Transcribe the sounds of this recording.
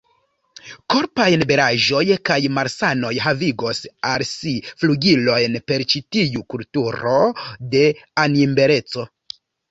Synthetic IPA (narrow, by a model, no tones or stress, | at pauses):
ko̞ɾpajnbe̞ɾaʒo̞jkajmaɾsano̞jɦaviɡo̞salsifluɡilo̞jnpe̞ɾt͡ʃitiukultuɾo̞de̞animbe̞ɾe̞t͡so̞